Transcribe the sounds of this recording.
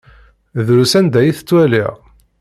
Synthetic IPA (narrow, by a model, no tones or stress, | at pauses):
ðɾusænd̪æjiθə̥t͡sːwælḭʁ